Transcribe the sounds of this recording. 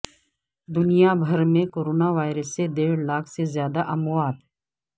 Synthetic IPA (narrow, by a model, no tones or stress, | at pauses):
d̪ʊnijabʱɐɾmẽkoːɾoːnaʋaːɪɾəsːed̪eːɽlaːkʰsezjaːd̪aʔɐmʊwaːt̪